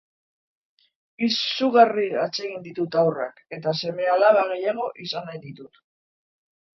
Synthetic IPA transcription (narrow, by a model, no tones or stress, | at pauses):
isuɣariat͡se̞ɣind̪it̪ut̪awra̰ke̞t̪ase̞me̞alaβaɣ̞e̞jaɣ̞o̞ʔisanajd̪it̪ut̪